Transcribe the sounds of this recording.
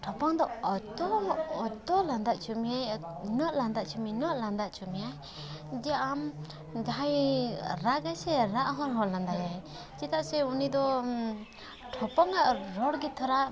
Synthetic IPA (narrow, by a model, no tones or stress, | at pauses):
ʈʰɔpaŋd̪ɔɔt̪ɔːt̪ɔland̪aʔt͡ʃumijajnɔʔland̪aʔt͡ʃuminɔʔland̪aʔt͡ʃumijaj | dijaʔam | daajɾaɡajsɛɾaʔɦɔɾɦɔland̪ajaj | t͡ʃit̪ʰaʔsɛunid̪ɔ | ʈʰɔpaŋaʔɾɔɽɡit̪ʰɔɾa